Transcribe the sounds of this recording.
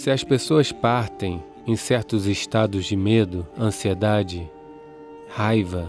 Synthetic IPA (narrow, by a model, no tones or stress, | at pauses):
sɪɐspesoɐspaɾt̪ẽj̃ | ẽj̃sɛɾt̪ʊzɪʃt̪ad̪ʊzd͡ʒɪmed̪ʊɐ̃sied̪ad͡ʒɪ | hajvɐ